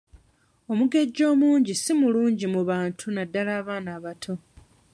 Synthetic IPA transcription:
o̞muɡe̞ɟːo̞ːmuːɲɟisimuluːɲɟimuβaːntʰunadːalaːβaːnaːβatʰo̞

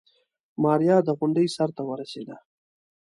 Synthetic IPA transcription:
mɑːɾjɑd̪əɣʊɳɖəjsaɾt̪awəɾased̪a

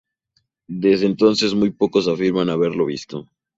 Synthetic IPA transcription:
d̪ezðent̪o̞nse̞zmujpo̞ko̞s̬afiɾmanaβe̞ɾlo̞β̞ist̪o̞

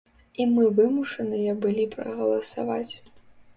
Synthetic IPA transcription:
imɨvɨmuʂɐnɨjɐbɨlʲipɾɐ̰ɣɐlˠɐsa̰vat͡sʲ

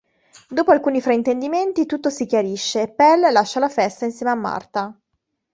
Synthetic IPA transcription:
d̪oːpoalkuːnifɾaint̪end̪iment̪it̪ut̪ːosikjaɾiʃːeːpːɛlːaʃːalafɛst̪ainsjeːmeamːa̰rt̪a

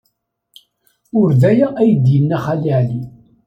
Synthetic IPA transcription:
ʊɾðæjæʔæjəd̪jənːæχaliʕli

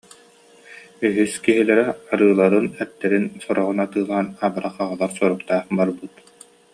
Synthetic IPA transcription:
yɦyskiɦilɛɾɛaɾɯːlˠaɾɯnɛt̪ːɛɾinsɔɾɔʁunat̪ɯːlˠaːnabaɾaχaʁalˠaɾsuɾuqt̪aːχbaɾbut̪

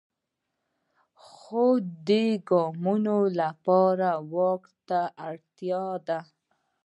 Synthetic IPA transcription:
xod̪eɡɔmunolapɑɾawɑkt̪aʔaɽt̪jɑd̪a

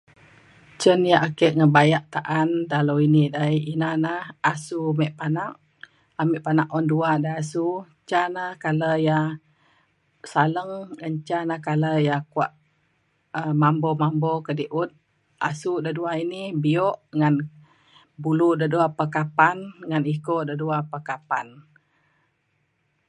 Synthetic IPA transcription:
t͡ʃənjaʔakəʔŋəbajaʔt̪aʔandaloinidajinanahasumɛʔpanaʔ | amɛʔpanaʔɔnduadaasu | t͡ʃanahkaləja | saləŋŋaɲt͡ʃanahkaləjakuaʔ | əmambɔmambɔkədiʔut̪̚ | a̰sudaduainibiɔʔŋan | buludaduapəkapanŋanikoʔdaduapəkapan

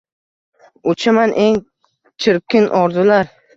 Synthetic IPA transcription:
ʊt͡ʃʰɪmanʔe̞ŋ | t͡ʃʰɪɾ̚kʲɪnʔɒɾd̪ʊlaɾ

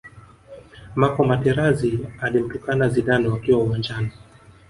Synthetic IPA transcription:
makɔmatɛɾazialim̩tukanaziɗanɔwakiwauwand͡ʒani

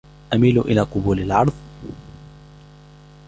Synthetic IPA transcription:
ʔamiːlʊʔɪlaːqʊbuːlalʕɑɾˤðˤ

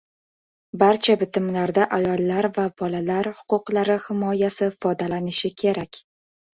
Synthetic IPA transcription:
baɾt͡ʃʰabɪt̪ʰɪmlaɾd̪aʔajɒlˠːaɾvab̥ɒlalaɾhʊ̥qʰʊqlaɾɪhɪmɒjasɪfɒd̪alanɪʃɪkʲʰe̞ɾakʲ

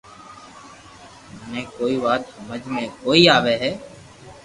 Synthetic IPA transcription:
ənẽːkoːiːʋaːt̪səməd͡ʒʱmẽːkoːiːaːʋeːɦɛː

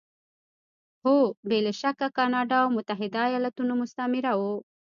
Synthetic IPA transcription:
hobeleʃakakɑnɑɖɑawmʊt̪aɦɪd̪ajɑlat̪unomʊst̪amɪɾawo

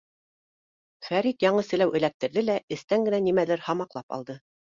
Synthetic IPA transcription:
fæɾit̪jɑɴɤsɘ̆læwʔɘ̆læk̚t̪ɘ̆ɾðɘlæɘ̆st̪æŋɡɘ̆nænimælæɾhɑmɑqlˠɑpɑ̰lˠd̪ɤ

